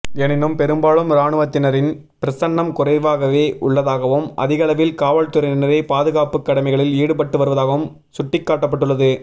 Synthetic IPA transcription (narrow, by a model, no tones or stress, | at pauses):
ɛnɪnːɯmpɛɾɯmbaːɭɯmɾaːɳɯʋɐt̪ːɪnɐɾɪn | pɪɾɐsɐɳːɐmkʊrɐɪʋaːɣɐʋeːʔʊɭːɐðaːɣɐʋɯmʔɐ̰ðɪɣɐɭɐʋɪlkaːʋɐɭt̪ɯɾɐɪnɪnɐɾeːpaːðɯɣaːpɯkːɐɽɐmɛɪɣɐɭɪliːɽɯp̬ɐʈːɯʋɐɾɯʋɐðaːɣɐʋɯm | sʊʈːɪkːaːʈːɐpːɐʈːɯɭːɐðɯ